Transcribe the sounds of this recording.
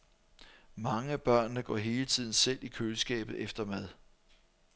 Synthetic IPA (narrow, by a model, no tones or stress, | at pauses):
mɑ̈ŋəb̥ɶɐ̰nːəɡ̥ɒ̰ɦe̝ːlət͡sʰið̞̰ˠn̩sel̰ikʰøːlsɡ̥ɛ̰ːb̥ð̩ˠefd̥ɐmæð̞ˠ